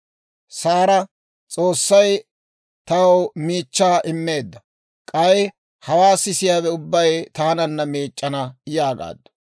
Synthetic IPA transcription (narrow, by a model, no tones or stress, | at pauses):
saːɾɐ | t͡sʼo̞ːsːɐj | t̪ɐwmiːt͡ʃːaːʔɪmːe̞ːd̪ːɐ | kʼɐj | hɐwaːsɪsɪjaːbɛʊbːɐjt̪aːnɐnːɐmiːt͡ʃʼːɐnɐjaːɡa̰ːd̪ːɐ̥